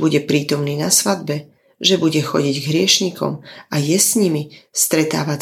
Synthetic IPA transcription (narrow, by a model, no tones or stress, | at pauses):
buɟɛpɾiːt̪ɔmniːnasʋad̪̚bɛ | ʒɛbuɟɛxɔ̰ɟiɟɡɦɾɪɛʃɲikɔ̰majɛsɲimist̪ɾɛt̪a̰ːʋa